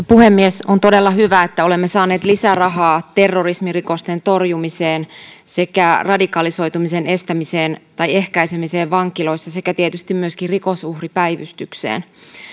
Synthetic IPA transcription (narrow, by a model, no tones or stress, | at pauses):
puhemːiesont̪odelːɑhyʋæet̪ːæolemːesɑːneːt̪lisærɑɦɑːt̪erːorismirikost̪ent̪orjumiseːn | sekærɑdikɑliso̞jt̪umisene̞st̪æmiseːnt̪ɑjehkæisemiseːʋʋɑŋkilo̞isːɑsekæt̪iet̪yst̪immyøskirikosuhripæjʋyst̪yksḛːn